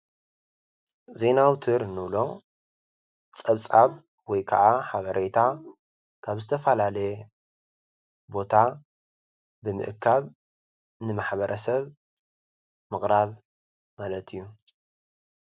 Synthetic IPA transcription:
ze̞nawt̪ʰɨɾnɨβlo̞ | t͡sʼɐβt͡sʼaβ | wɔjkʰa̰ʕʔaħaβɐɾe̞t̪ʰa | kʰaβzɨt̪ʰɐfɐlalɐj | bo̞t̪ʰa | bɨmɨ̰ʔɨkʰːaβ | nɨmaħbɐɾʔɐsɐβ | mɨχʼɾaβ | malɐt̪ʰijːu

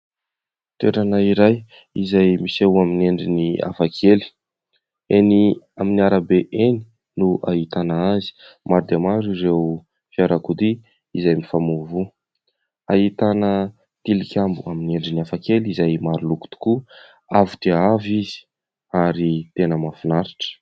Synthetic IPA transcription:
t̪eɾanaiɾaj | izajmisewamineɳɖ͡ʐinia̰fakʰeli̥ | eni | aminiaɾəbeʔeni̥ | nuʔa̰ɦit̪anaazi̥maɾud̪emaɾiɾew | fiaɾakud̪i | izajmifamovu | aɦit̪anə | t̪ilikʲambuamineɳɖ͡ʐiniafakelizajmaɾuluku̥t̪u̥ku | avud̪̥eavizi̥ | aɾit̪enəmafinaɾaʈ͡ʂə̥

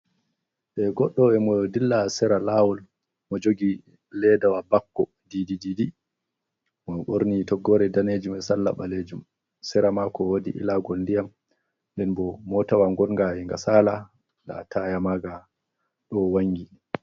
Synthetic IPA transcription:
ɓɛɡɔɗːɔɛmɔdilːasɛɾalawɔl | mɔd͡ʒoɡi | lɛdawabakːɔ | didididi | mɔɓoɾnitɔɡːɔɾɛdaned͡ʒumɛsalːa̰ɓaled͡ʒum | sɛɾamakɔwodḭʔḭlaɡɔlndijam | ndɛnbɔmɔtawaŋɡɔnŋɡahiŋɡa̰saːla | la̰tʰajamaɡa | ɗɔwaŋɡi

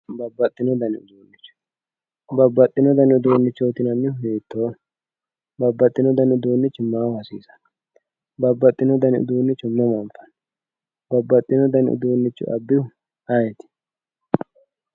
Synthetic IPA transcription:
bɐbːɐt̪ʼːɪnɔd̪ɐnɪʊd̪uːnːɪt͡ʃːʊ̥ | bɐbːɐt̪ʼːɪnɔd̪ɐnɪʊd̪uːnːɪt͡ʃːoːt̪ɪnɐnːɪheːt̪ːoː | bɐbːɐt̪ʼːɪnɔd̪ɐnʊd̪uːnːɪt͡ʃːʊmaːwɐsḭːsɐ̥n | bɐbːɐt̪ʼːɪnɔd̪ɐnɪ̰ʊ̰d̪uːnːɪt͡ʃːʊmɐmɐmfɐn | bɐbːɐt̪ʼːɪnɔd̪ɐnɪʊ̰d̪uːnːɪt͡ʃːʊ̰ʔɐ̰bːɪʊ | ajɛt̪ɪ̥

